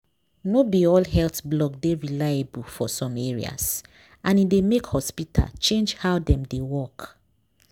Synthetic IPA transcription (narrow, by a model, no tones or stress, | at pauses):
nobiɔlhɛltblɔɡ̚deɹilaabulfɔsɔ̃meɹḭa̰s | ãnidemekhɔspitʰa̰lt͡ʃẽnd͡ʒhawdɛ̃mdewɔk